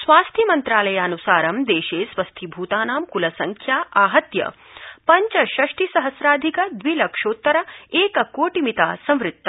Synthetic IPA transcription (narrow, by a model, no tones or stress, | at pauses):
sʋaːst̪ʰimɐnt̪ɾaːlɐjaːnusaːɾɐmd̪eːʃeːsʋɐst̪ʰibʱuːt̪aːnaːmkulɐsɐŋkʰjaːʔaːɦɐt̪jɐ̰ | pɐɲt͡ʃɐʃɐʂʈisɐɦɐsɾaːd̪ʱikɐd̪ʋilɐkʂoːt̪ːɐɾɐeːkɐkoːʈimit̪aːsɐ̃mɾɪt̪ːɐ